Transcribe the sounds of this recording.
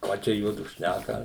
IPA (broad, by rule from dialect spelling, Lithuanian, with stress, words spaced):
ˈkɑː ˈt͡ʃʲɛ ˈjuɔdʊ ˈʃʲnʲækɐ